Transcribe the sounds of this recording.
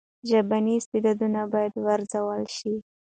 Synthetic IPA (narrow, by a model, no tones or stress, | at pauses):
ʒabaniɪst̪ɪd̪ɑd̪unabɑjad̪waɾzawəlʃi